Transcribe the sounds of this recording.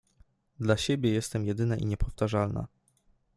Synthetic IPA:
d̪laɕɛbʲjɛjɛst̪ɛmjɛd̪ɘnaʔḭɲɛpʰɔft̪aʐalna̰

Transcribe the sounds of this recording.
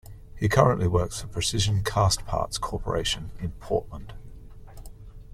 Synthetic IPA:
hiəkʰʌɹə̃nʔliwɜˑksfəpʰɹ̥əsɪʒə̃nkʰɑ̰ˑspʰɑ̰ˑtskʰɔˑpʰə̰ɹḛɪʃə̃nɪ̃npʰɔˑʔlə̃nd̥

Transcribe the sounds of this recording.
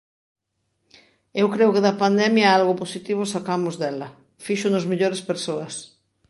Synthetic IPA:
ewkɾewkeðɐpand̪ɛmjɐalɣoposit̪iβ̞ʊsakamʊzðɛlɐ | fiʃʊnozmiʎoɾespeɾsoɐs

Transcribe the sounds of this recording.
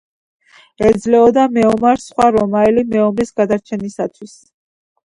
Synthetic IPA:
ɛd̪zlɛɔd̪amɛɔmaɾsχwaɾɔmaɛlimɛɔmɾisɡad̪aɾt͡ʃʰɛnisat̪ʰwis

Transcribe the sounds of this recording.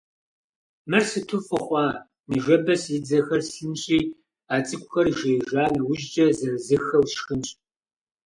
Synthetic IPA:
mɨrsɨtʰʊfɨχʷɑː | nɨʒɐbɐsɪd͡zɐxɐrsɬɨnɕʼiː | aːt͡sʼɨkʷʼʊxɐrʒejʒaːmɨwʊʒd͡ʒɐzɐnzɨxɐwsxɨnɕʼ

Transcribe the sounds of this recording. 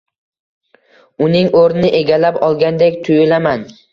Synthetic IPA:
ʊnɪŋoɾnɪʔe̞ɡʲalapɒlˠɡʲand̪ekʲt̪ʰʊjɪlaman

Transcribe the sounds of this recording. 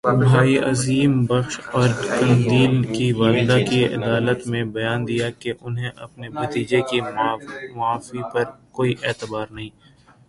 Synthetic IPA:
bʱaːiʔɐziːmbɐxʃɔːɾkɐ̃nd̪iːlkiʋaːlɪd̪akiɪ̰d̪aːlət̪mẽbɐjaːnd̪ijakeʔʊnɦẽʔɐpnebɐt̪iːd͡ʒeki | mʊaːfipɐɾkoːiʔɛːt̪ɪbaːɾnɐɦĩː

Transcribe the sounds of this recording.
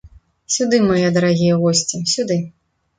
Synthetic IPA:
sʲud̪ɨmajɛd̪ɐɾaɣʲijɐɣɔsʲt͡sʲisʲud̪ɨ

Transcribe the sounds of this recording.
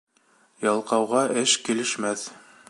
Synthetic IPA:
jɑlˠqɑwʁɑʔɘʃkilɘ̆ʃmæθ

